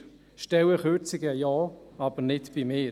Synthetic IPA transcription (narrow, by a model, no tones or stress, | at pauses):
ʃtɛwəχøɾt͡sɪɡəjɑːɑb̥ənɪdv̥imɪː